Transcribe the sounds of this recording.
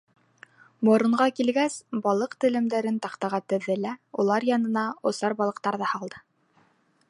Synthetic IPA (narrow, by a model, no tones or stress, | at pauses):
mŏɾɤ̆ɴɢɑkilɡæsbɑlˠɤqt̪ɘ̆lɘ̆md̪æɾɘnt̪ɑqt̪ɑʁɑt̪ɘ̆ðːɘlæulˠɑɾjɑnɤ̆nɑŏsɑɾbɑlˠɤ̆q̚t̪ɑɾðɑhɑlˠd̪ɤ̥